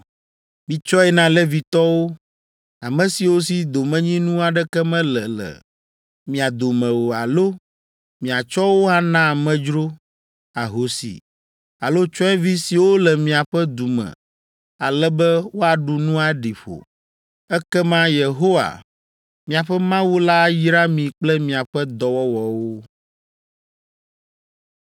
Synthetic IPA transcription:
mĩ˨t͡ʃɔ˦ɛ˦nã˦lɛ˦vi˨t̪ɔ˦wo˦ | a˨mɛ̃˨si˨wo˦si˨d̪o˨mɛ̃˦ɲĩ˦nũ˦a˨ɖɛ˦kɛ˦mɛ̃˦lɛ˨lɛ̰˨ | mĩ˨a˨d̪o˨mɛ̃˨wo˨a̰˨lo˦ | mĩ˨a˨t͡ʃɔ˦wo˦a˨nã˦˨mɛ̃˦d͡ʒɾo˦ | a˨ɦo˨˦sḭ˨ | a˨lo˦t͡ʃɔ˦ɛ˦vi˦si˨wo˦lɛ˨mĩ˨a˨ɸɛ˦d̪u˨mɛ̰̃˨ | a˨lɛ˦bɛ˦wo˦a˨ɖu˨nũ˦a˨ɖi˨ɸo̰˨ | ɛ˦kɛ˦mã˦je˨ɦo˦wa̰˨ | mĩ˨a˨ɸɛ˦mã˦wu˦la˦ji˦ɾa˦mĩ˨k͡plɛ˦mĩ˨a˨ɸɛ˦d̪ɔ˨wɔ˦wɔ˨wo˦

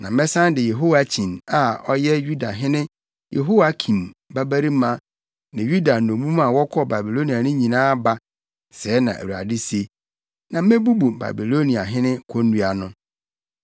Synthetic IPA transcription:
nã˨mɛ̃˦sã˦ndɪ˨je˨ɦo˦wa˨t͡ɕʰĩ˨na˨ɔ˦jɛ˦ju˦da˨ɦɪ̃˦nɪ̃˦ | jʔḛ˨ɦo˦wa˦kʰĩ˨m˨ba˦bæ˦ɾi˦mã˦ | nɪ̃˨ju˦da˨nõ˨mũ˦mã˨wɔ˦kʰɔ˦ba˨bi˨lo˦ni˨a˨nɪ̃˦ɲĩ˨nãː˦ba˦ | sɛː˨˦nã˨ʔæ̰˨u˨ɾa̰˨dɪ˦se˦ | nã˨mẽ˦bu˦bu˨ba̰˨bi˨lo˦nĩ˨a˨ɦɪ̃˦nɪ̃˦kʰo˦nũ˦a˨nʊ̃˦

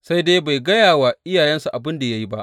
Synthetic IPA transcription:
sa˦jdeː˦ba˨jɡɐ˦jaː˨waː˨ʔɪ˦jaː˨jɛ˦nsu˨ʔa˨bɪ˦nda˨ja˦ji˦ba˦ʔ

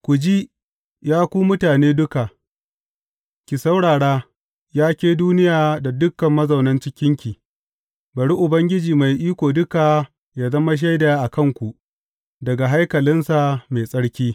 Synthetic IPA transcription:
kʷʊ˨d͡ʒi˦ | jaː˦kʷuː˦mʊ˦taː˨neː˦dʊ˦ka˨ʔ | kʲi˨sɐ˦wɽaː˨ɽaː˦ | jaː˦kʲeː˦duː˦nɪ˦jaː˨da˨dʊ˦kːɐ˨mːɐ˦zɐ˨wnɐ˦nt͡ʃɪ˦kʲɪ˦ŋkʲi˨ | bɐ˨ɽi˦ʔʊ˨bɐ˦ŋɡʲɪ˦d͡ʒiː˨ma˨jʔiː˦kʷoː˨dʊ˦ka˨ | jaː˦zɐ˦ma˦ʃ̬a˦jda˨a˦ʔa˨kɐ˦˨ŋkʷu˨ʔ | dɐ˨ɡa˨ɦa˦jkɐ˨lɪ˦nsa˨me˨sʼɐ˦ɽkʲiː˦

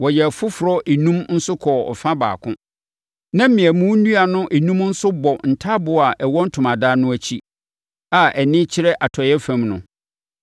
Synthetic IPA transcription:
wɔ˨jɛ˨fʊ˦fʊ˨ɾɔ˦ʔe˨nũ˦mn̩˦sʊ˦kʰɔ˨ɔ̰˨fã˦ba̰ː˨kʰʊ̃˦ | nã˦m̩˦mɪ̃˨ɛ˨mũ˦nũ˦a˨nʊ̃˦ʔe˨nũ˦mn̩˦sʊ˦bɔ˨n̩˨tʰa˦bʊ˨a˨ʔɛ˨wɔ̃˦n̩˦tʰʊ˨mã˨daː˦nʊ̃˦æ˦t͡ɕʰi˦ | a˨ʔɛ˨nɪ̃˦t͡ɕʰɪ˦ɾɛ˦ʔa˨tʰɔ˨jɛ˦fæ̃˨mnʊ̃˨

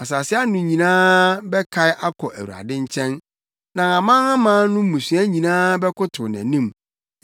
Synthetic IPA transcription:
a˨sa˨sɪ˦a˦nʊ̃˨ɲĩ˨nãː˦bɛ˦kʰa˨ɪ˦ʔa˦kʰɔ˨ʔæ˨wṵ˨a̰˨dɪ̃˦ɲ˦t͡ɕʰɛ̃˦n | nã˨ã˨mã˦ã˦mãː˦nʊ̃˦mũ˨sɥæ˦ɲĩ˨nãː˦bɛ˦kʊ˦tʰʊ˨n˨æ̰˨nĩ˦m

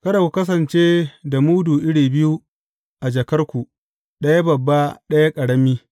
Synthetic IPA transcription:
kɐ˦da˨kʷu˨kɐ˦s̬ɐ˨nt͡ʃeː˦da˨muː˦duː˨ʔɪ˦ɽiː˨bɪ˦ju˦ | ʔa˨d͡ʒɐ˨kɐ˦rkʷu˨ | ɗɐ˦ja˦bɐ˨bːa˦ɗɐ˦ja˦kʼɐ˨ɽɐ˦miː˦

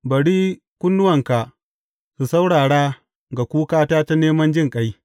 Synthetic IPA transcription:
bɐ˨ɽiː˦ | kʷʊ˦nːʊ˦wɐ˨ŋka˨ | su˨sa˦wɽaː˨ɽaː˦ | ɡa˨kʷuː˦kaː˦taː˦ta˦neː˦mɐ˦nd͡ʒɪ˦˨ŋkʼa˦j

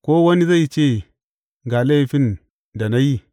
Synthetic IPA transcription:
ko˦wa˦ni˦za˦i˨t͡ʃe˦˨ | ŋɡa˨la˦i˦˨fi˦n | da˨na˦ji˦

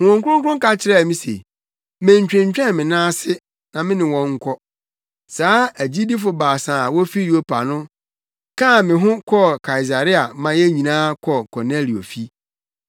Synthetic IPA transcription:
hʊ̃˨ʊ̃˨ŋkʷʊ˦ʊ̃˦kʊ˦ʊ̃˦ŋ˦ka˦t͡ɕʰɪ˦ɾɛ˦˨mĩ˦sḛ˨ | mæ̃˨ɲ˨t͡ɕᶣɾɪ̃˨ɲ˨t͡ɕᶣɛ̃˦nmɪ̃˨nãː˦sɪ˦ | nã˨mɪ̃˦nɪ̃˨wɔ̃˨ŋ̩˦kʰɔ˦ | saː˨˦æ˨d͡ʑi˦di˦f̬ʊ˨baː˨sã˨wɔ˦fi˦jo˦pʰa˨nʊ̃˦ | kʰã˦˨mɪ̃˨ɦʊ̃˦kʰɔ˦kʰa˨i˨s̬a˨ɾɪ˦a˨mã˦jɛ˦ɲĩ˨nãː˦kʰɔ˨kʰɔ˨ne˦li˨o̰˨fi˦

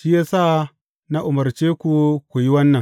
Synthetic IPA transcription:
ʃi˦jaː˦sa˦˨ | na˦ʔʊ˨mɐ˨ɾt͡ʃeː˦kʷu˨kʷu˨ji˦wɐ˦nːɐ˨ŋ

